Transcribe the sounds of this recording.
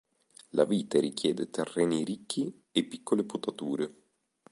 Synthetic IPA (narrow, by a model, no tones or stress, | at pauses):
la̰viːt̪aɾik̟jɛːd̪et̪erːɛːniɾikːi | epːikːoleput̪at̪uːɾe